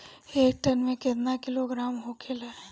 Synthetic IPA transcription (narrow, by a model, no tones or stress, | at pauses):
eːk̚ʈənmẽket̪nakɪloɡɾaːmɦokʰelɛ